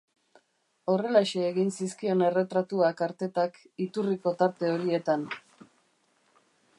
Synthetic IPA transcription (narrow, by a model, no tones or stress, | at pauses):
o̞re̞laʃeːɣinsiskio̞ne̞re̞t̪ɾat̪uakaɾt̪e̞t̪ak | it̪uriko̞t̪aɾt̪e̞o̞ɾie̞t̪an